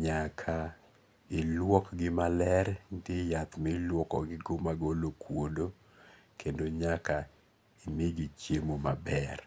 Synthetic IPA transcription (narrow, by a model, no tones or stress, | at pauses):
ɲakʰa | ɪlwɔkɡɪmalɛɾndɪjat̪mɛlwɔkɔ̰ɡɪɡomaɡolokwodo | kʰendoɲaka | imɪɡit͡ʃjemoma̰bɛr